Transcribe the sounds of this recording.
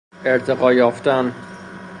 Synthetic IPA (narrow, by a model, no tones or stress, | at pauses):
eɾt̪ʰeɣɒːjɒːft̪æn